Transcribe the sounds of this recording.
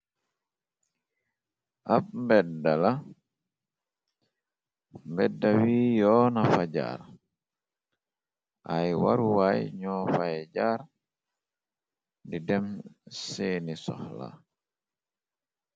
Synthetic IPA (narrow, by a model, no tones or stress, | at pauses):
ʔap̚mbɛdala | mbɛdːawiːjɔːnafaɟa̰ːɾ | ʔajwaɾuwajɲɔfajd͡ʒaːɾ | didɛmseːnisɔ̰hla̰